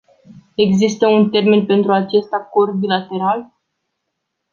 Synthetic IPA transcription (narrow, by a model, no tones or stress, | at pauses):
e̞ɡzist̪əunt̪e̞rmenpe̞nt̪ɾuat͡ʃe̞st̪ako̞rd̪̚bilat̪e̞ɾal